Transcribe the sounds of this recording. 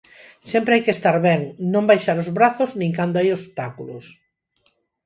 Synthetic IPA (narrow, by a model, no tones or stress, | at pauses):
sɛmpɾeajkest̪aɾβɛŋnõmbajʃaɾozβɾaθʊznĩŋkand̪oajost̪akulʊ̰s